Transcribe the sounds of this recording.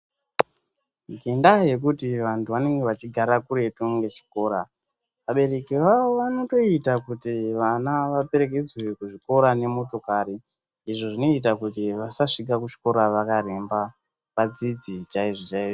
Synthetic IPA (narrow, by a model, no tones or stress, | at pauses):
ɡʱendaje̞k̬utiʋantʰuʋane̞ŋɡeʋat͡ʃiɡʱaɾakuɾe̞tuŋɡe̞t͡ʃi̥ko̞ːɾa | ʋaɓe̞ɾe̞kiʋaʋo̞ʋano̞to̞itakutiʋanaʋape̞ɾe̞ke̞d͡zwe̞kuʐiko̞ɾane̞mo̞to̞kaɾiː | ʐo̞ʐino̞it̬akut̬iʋasaʂik̬akut͡ʃi̥ko̞ɾaʋakaɾe̞mba | pad͡zid͡zit͡ʃaiʐot͡ʃaiːʐo